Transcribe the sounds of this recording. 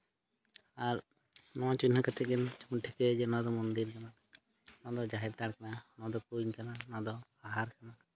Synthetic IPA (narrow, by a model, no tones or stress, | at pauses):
aɾ | nɔ̃at͡ʃuɲɦakat̪ʰɛkɛnt͡ʃuʈʰɛkɛd͡ʒɛnɔ̃d̪ɔmɔnd̪iɾkana | nɔ̃d̪ɔd͡ʒaɦɛɾt̪aɽkananɔ̃d̪ɔkuɲkananɔ̃d̪ɔ | aɦaɾkana